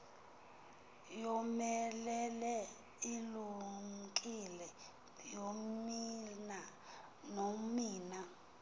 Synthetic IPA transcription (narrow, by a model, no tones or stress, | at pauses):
jɔmɛlɛlɛ | iluŋkʼilɛ | jomina | nomiːna